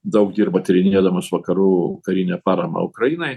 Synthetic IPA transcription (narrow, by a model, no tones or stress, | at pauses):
d̪ɐʊkd̪ʲiːɾbɐt̪ʲɾʲɪnʲeːd̪ɐmɐsʋɐkɐɾuːkɐɾʲinʲɛpɑːɾɐmɐ̰ːʊkɾɐjiːnɐɪ